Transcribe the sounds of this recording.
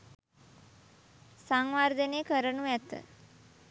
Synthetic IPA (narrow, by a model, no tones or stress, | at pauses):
saŋʋaɾd̪ənekəɾənuæt̪ə̰